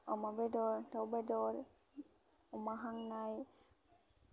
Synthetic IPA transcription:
ɔmabɛdɔɾt̪awbɛdɔɾ | umaɦaŋnaj

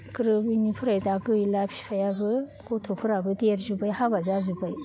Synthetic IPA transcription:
kɯɾɯbinipʰɯɾajdaɡɯjlajpʰsajabɯkotʰopʰɯɾabɯdeɾzubajhabazazubaj

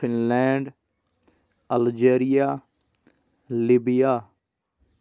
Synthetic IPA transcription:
ɪnlɛːɳɖ | əld͡ʒeːɾijaː | libijaː

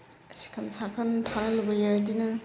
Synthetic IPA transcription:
ɐsi̥kʰɐnsakʰɐntʰaɾɐlɐbɐjadinɐ

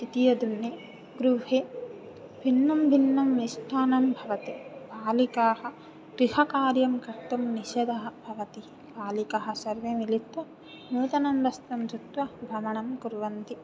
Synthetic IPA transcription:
t̪it̪ijɐd̪unːe | ɡɾuɦeː | bʱinːɐmbʱinːɐmniʃʈʰaːnɐmbʱɐʋɐt̪ibaːlikaːhɐ̆ | ɡɾihɐkaːɾjɐmkɐɾt̪ɐmniʃɐd̪ʱɐɦɐ̆bʱɐʋɐt̪iibaːlikɐɦɐ̆sɐɾʋeːmilit̪ʋɐ | nuːt̪ɐnɐmbɐst̪ɐmd͡ʒ̪ut̪ʋɐbʱɾɐmɐɳɐmkuɾʋɐnt̪i

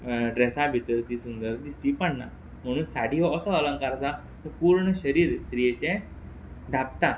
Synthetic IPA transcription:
ɖɾesabʱit̪əɾt̪iːsund̪əɾd̪ist̪iːpəɳna̰ | m̤əɽ̃uːnsaɽ̤ʱiɦɔəsəələ̃ŋkaɾəsa | t̪əɾpuɾɳəɕəɾiːɾst̪ɾijet͡ɕẽ | ɖʱapt̪a

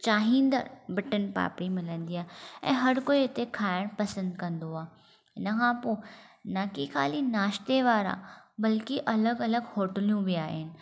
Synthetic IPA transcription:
t͡ɕaːɦĩːnd̪ə̰ɾbɪʈənpa̰ːpɽimɪlə̃nd̪iːaːɛ̰̃ːɦɐɾkoːiɪt̪ekʰaːɪɽ̃pɐsə̃nd̪kɐ̃nd̪oaː | ɪnɐkʰãːponɐkixʰaːlinaːʃt̪eʋaːɾa̰bɐlkiʔɐləɡɐləɡhoːʈəlijũʋiaːɦenɪ̆

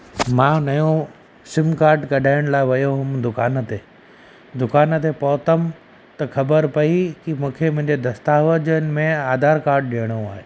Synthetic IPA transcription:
mãːnɐjõ | sɪmkaːɾʈkɐɖʱaːɪɽ̃laːɪʋɐjoɦʊmd̪ʊkaːnt̪e | d̪ʊkaːn̆t̪epɔːt̪əm | t̪ɐxɐbəɾpɐikimũːkʰemʊ̃ɦɪ̃ɲd͡ʑed̪ɐst̪aːʋəd͡ʑənɪ̆mẽaːd̪ʱaːɾkaːɾʈ̚ɗijəɽ̃ũaːɦeː

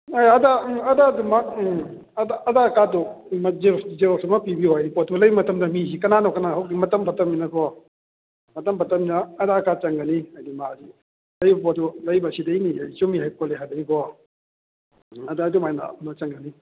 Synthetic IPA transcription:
ajɐdaɐdadumɐk̚ | daːdakadɔmzezeɾɔsumapibiɔajdipɔtɔlɐjbmɐtɐmdɐmisikɐnanɔkɐnaɦawkɡimɐtɐmpɐtɐmːinɐkʰɔ | mɐtɐmpɐtɐminɐːdakat͡ʃɐŋɡɐniajdimaazi | lɐjbɐpɔtɔlɐjbɐsidɐjniajsumiɦajkɔleɦajdɐɡikʰɔ | ɐdaːdumajna̰mɐt͡ʃɐŋɡɐni

